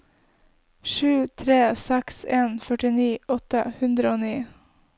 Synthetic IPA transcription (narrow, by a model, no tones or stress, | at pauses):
ʃʉːt̪ʰɾeːsɛkseːnfœʈɪniːʔɔt̪əhʉnd̪ɾəoːniː